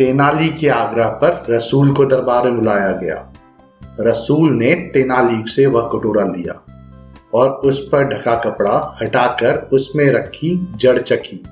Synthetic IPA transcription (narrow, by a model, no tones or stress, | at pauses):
t̪eːnaːlikeaːɡɾəɦpɐɾɾɐsuːlkod̪ɐɾbaːɾmẽbʊlaːjaɡɐja̰ː | ɾɐsuːlnet̪eːnaːliːseʋɐɦkoʈoːɽalḭja̰ː | ɔːɾʊspɐɾɖʱɐkakɐpɽahɐʈaːkəɾʊsmẽɾɐkʰːid͡ʒɐɽt͡ʃɐkʰiː